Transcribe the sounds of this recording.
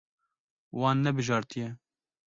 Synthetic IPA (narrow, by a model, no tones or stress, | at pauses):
wɑːnːɛbɨʒɑːɾt̪ʰijɛ